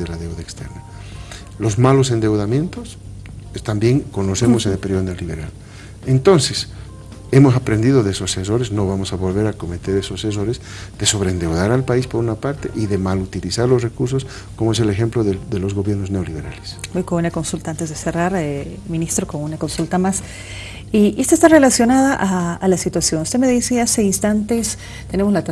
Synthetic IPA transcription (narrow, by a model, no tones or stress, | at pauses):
elaðewðaekst̪ḛɾna | lo̞zmalo̞send̪e̞wðamje̞nt̪os | et̪ambje̞ŋko̞nose̞mosenelpeɾjonelːiβeɾal | ent̪o̞nse̞s | e̞mo̞sapɾe̞nd̪iðo̞ðeeso̞sːes̬o̞ɾesno̞βamo̞saβo̞lβe̞ɾako̞met̪e̞ɾe̞soses̬o̞ɾez | d̪̥e̞so̞βɾeːnd̪e̞wðaɾalpaispo̞ɾunapaɾt̪ḛʔiðe̞malut̪ilisaɾlo̞sre̞kuɾs̬os | komoe̞se̞le̞xe̞mploðeðelozɣo̞βjeɾnozne̞oliβe̞ɾa̰lesojkonunako̞nsult̪aant̪ezðese̞raɾmĩnist̪ɾokonunako̞nsult̪amas | iest̪aest̪arelasjo̞naðaʔaːlasit̪wasjo̞nust̪e̞me̞ðisease̞inst̪ant̪e̞s | t̪ene̞mozlat̪